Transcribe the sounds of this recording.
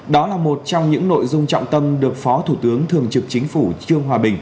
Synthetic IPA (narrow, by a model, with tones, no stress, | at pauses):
ɗɔ˨˦laː˨˩mo˨˩t̚t͡ɕɔ˧wŋ͡mɲɨ̰˧˥ŋno̰˧˨jzʊ˧ŋ͡mt͡ɕɔ̰˧˨wŋ͡mt̪ə˧mɗɨ˨˩ək̚fɔ˨˦t̪ʰu˧˩t̪ɨ˨˦əŋt̪ʰɨ˨˩əŋt͡ɕɨ˨˩k̚t͡ɕï˨˦ŋ̟fu˧˩t͡ɕɨ˧əŋɦwaː˨˩ɓï˨˩ŋ̟